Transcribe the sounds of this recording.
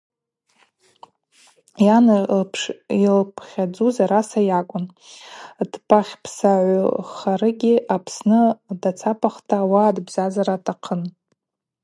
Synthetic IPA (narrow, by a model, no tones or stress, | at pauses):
janpʰʂilpʰχʲad͡zuzaɾasajakʷʼʊn | dpʰʼaχʲpʰsaʕʷʊχaɾɨɡʲɪʔapʰsnɨdat͡sʰapʰʼaχtʰaːwaːdbz̥azaɾatʼʰaqʰən